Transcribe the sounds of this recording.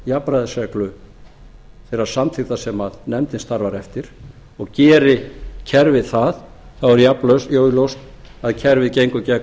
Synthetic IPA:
japɾaðɪsɛklʏ | θeɾaɾ̥samt̪ʰɪɣt̪asɛmaðnɛmt̪ɪnst̪aɾvaɾɛft̪ɪɾ̥ | ɔɣcɛːɾɪcʰɛɾvɪðθað | θawɛɾjaplœsjoːwlowst̪ | aðcʰɛɾvɪðcejŋkʏcɛk

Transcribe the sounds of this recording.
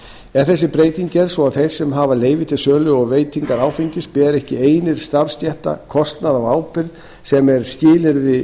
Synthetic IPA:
ɛɾ̥θɛs̬ːɪpɾeːjt̪iɲcɛɾ̥svɔaðθej̥sːɛmɦaːvaleːjvɪt̪ʰɪ̥sœːlʏɔɣveːjt̪ʰiŋkaɾaːwfiɲcɪspɛːɾɛhcɪeːjnɪɾ̥st̪aɾ̥sc̪ɛht̪a̰kʰɔst̪naðawaːwpɪɾð | sɛmɛɾ̥scɪːlɪɾðɪ

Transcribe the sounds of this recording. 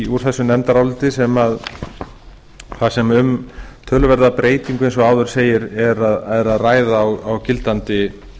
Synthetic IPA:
uɾ̥θɛsːʏnɛmt̪aɾawlt̪ɪsɛmað | θasɛmʏmt̪ʰœːlʏvɛɾðapɾeːjt̪iŋkʏejnsɔaːwðʏɾ̥seːjɪɾɛɾaðɛɾaðraːjðaːwawcɪlt̪ant̪ɪ

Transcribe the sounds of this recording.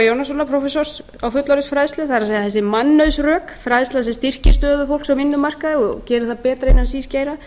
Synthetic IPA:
jownas̬ɔlapʰɾofɛsɔɾ̥s | awfʏt̪laɾʏsfɾaðst̪lʏθaðɾaeːjaθɛs̬ːɪmanːœðsrœːkfɾajðslaðs̬ɛmst̪ir̥cɪ̥st̪œːðʏfowlksawvɪnːʏmar̥kaðɪɔcɛːɾɪθapɛːt̪ɾaɪnːansiːscejɾa

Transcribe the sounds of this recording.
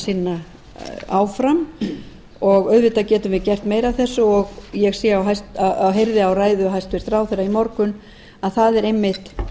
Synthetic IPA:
sɪnːa | aːwfɾam | ɔɣœɥðvɪt̪acɛːt̪ʏmvɪðcɛr̥t̪meːjɾaθɛsːʏɔɣjɛɣsiawɦajst̪aawɦejɾðɪawraːjðʏɦajst̪vɪst̪raːwθejraimɔɾkʏn | aðθaðɛɾejmːɪht̪

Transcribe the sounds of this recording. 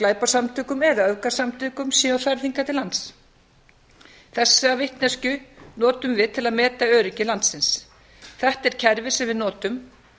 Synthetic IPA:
klaːjpasamt̪ʰʏːkʏmɛðaœðkasamt̪ʰʏːkʏmsjɛawθaɾθiŋkat̪ɪlant̪s | θɛsːavɪht̪nɛscʏnɔːt̪ʏmvɪðt̪ʰɪlaðmɛːt̪aœːɾiɲcɪlant̪sɪns | θɛht̪ɛɾ̥cʰɛɾvɪsɛmvɪðnɔːt̪ʏm

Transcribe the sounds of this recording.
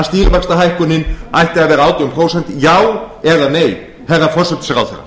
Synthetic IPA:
ast̪iːɾvɛkst̪aɦajhkʏnːɪnajht̪ɪaðvɛːɾaaːwt̪iʏmpʰɾowsɛn̥t̪jaːwɛðaneːj | hɛrːafɔr̥sɛt̪sɛɾa̰wθɛrːa̰

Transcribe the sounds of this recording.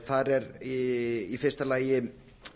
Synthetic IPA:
θaɾɛɾiifɪr̥st̪alaːjɪ

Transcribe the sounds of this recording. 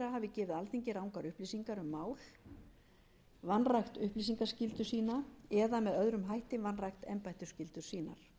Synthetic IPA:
ɾaɦaːvɪcɛːvɪðalθiɲcɪɾawŋkaɾʏhpliːsiŋkaɾʏmːaːwl̥ | vanrajxt̪ʏhpliːsiŋkascɪlt̪ʏsiːnaɛðamɛðœðɾʏmɦajht̪ɪmvanrajxt̪ɛ̰mpajht̪ʏ̥scɪlt̪ʏɾ̥siːna̰ɾ̥

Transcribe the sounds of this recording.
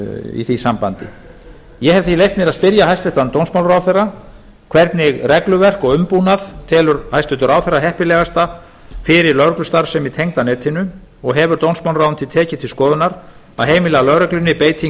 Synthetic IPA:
ḭθisampant̪ɪ̰ | jɛɦɛvθilejft̪mɪɾaðspɪɾjaɦajst̪ɛht̪ant̪ownsmawnɾawθejrːa | kʰv̥ɛɾt̪nɪɣrɛklʏvɛr̥kɔɣʏmpuːnaðt̪ʰɛːlʏɾhajst̪ɪt̪ʏɾawθɛrːaɦɛhpɪlɛːɣast̪a | fɪɾɪɾlœɾklʏst̪aɾ̥sɛmit̪ʰejŋt̪anɛːt̪ʰɪnːʏ | ɔɣɦɛvʏɾ̥t̪ownsmawlɾawʏnt̪ʰɪlt̪ʰɛːcɪt̪ʰɪlskɔːðʏnaɾ̥ | aðɦeːjmɪlɛːɣalœɾɛklʏnːɪpeːjt̪ʰiŋ

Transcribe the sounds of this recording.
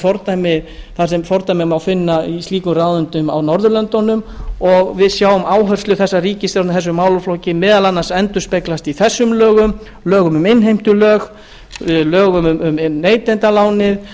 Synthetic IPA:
fɔɾt̪ajmɪθasɛmfɔɾt̪ajmɪmawfɪnːaisiːkʏrawðʏnt̪ʏma̰wnɔɾðʏlœnt̪ɔnʏmɔɣvɪðsjaːwʏmaːwɦœr̥slʏθɛsːaɾiːcɪsθjɔɾnθɛs̬ːʏmaːwlʏflɔwcɪmɛːðalanːasɛnt̪ʏ̥speklast̪iθɛsːʏmlœːɣʏm | lœːɣʏmʏmɪnɦejm̥t̪ʏlœːɣ | lœːɣʏmʏmʏmeːjt̪ɛnt̪alaːwnɪð

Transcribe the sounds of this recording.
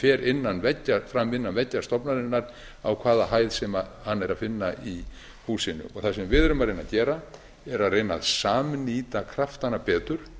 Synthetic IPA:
fɛːɾɪnːanvɛcːafɾamːɪnːanvɛcːast̪ɔpnaðɪnːaɾ̥ | a̰wkʰvaːðahaːjðsɛmahanːɛɾaðfɪnːai | huːsɪnːʏ̰ɔ̰ɣθasɛmvɪðœɾʏmaɾejnacɛːɾa | ɛɾaðrejnaðsaːmniːt̪akʰɾaft̪anapɛːt̪ʏɾ̥

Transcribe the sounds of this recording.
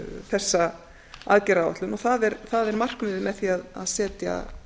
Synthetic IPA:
θɛsːa | a̰ðcɛɾaːwa̰t̪lʏnɔθaðɛɾθaðɛɾmar̥knmɪːðɪmɛðθiaða̰ðsɛːt̪ja̰

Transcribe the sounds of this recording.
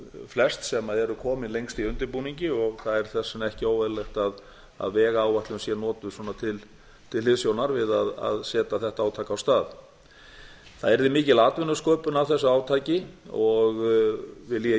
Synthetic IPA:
flɛst̪sɛmaðɛɾʏkʰɔːmɪnlejŋkst̪iʏnt̪ɪɾpuːniɲcɪɔɣθaðɛɾ̥θɛsːɛnɛhcɪoːwvɛðlext̪að | a̰ðvɛːɣaaːwvaht̪ʏnsjɛnɔːt̪ʏswɔːnat̪ʰɪl | t̪ʰɪlhɪðsjownaɾvɪðaða̰ðsɛːt̪aθɛht̪aaːwt̪ʰaːkawst̪aːð | θaðɛɾðɪmɪːcɪlaːt̪vɪnʏskœːpʏnawθɛsːaaːwt̪ʰaːcɪɔɣvɪljɛ

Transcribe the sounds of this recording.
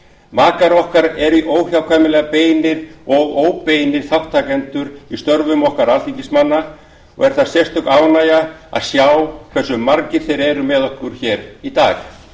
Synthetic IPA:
maːkaɾɔhkaɾɛɾiʔoːwçjawkʰvajmɪlɛːɣapeːjnɪɾɔɣoːwpeːjnɪɾ̥θawt̪ʰːaːkɛnt̪ʏɾist̪œɾvʏmɔhkaɾalt̪iŋcɪsmanːa | ɔ̰ɣɛɾ̥θḁsjɛrst̪ʏk̪aːwnaːjaa̰ðsjaːwkʰvɛsːʏmːaɾcɪθejɾɛɾʏmɛðɔhkʏɾ̥çɛːɾit̪a̰ːx

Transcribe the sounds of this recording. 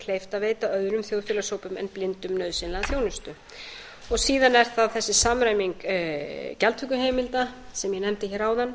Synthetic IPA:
kʰleːjft̪aveːjt̪aœðɾʏmθjowðfɛːlasoːwpʏmɛ̰nplɪnt̪ʏmnœɥðsɪnlaθjownʏst̪ʏ | ɔɣsiːðanɛɾ̥θaðθɛsːɪsamɾaːjmiŋk | cɛlt̪ʰʏkːʏɦeːjmɪlt̪asɛmjɛnɛmt̪ɪçɛːɾaːwðan

